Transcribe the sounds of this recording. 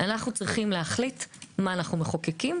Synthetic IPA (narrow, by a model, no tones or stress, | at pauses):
ʔanaχnut͡sʁiχimleaχlitmaːnaχnume̞χokekim